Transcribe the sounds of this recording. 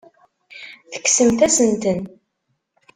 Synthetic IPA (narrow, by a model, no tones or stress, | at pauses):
θə̥kːsəmθæsənt̪ən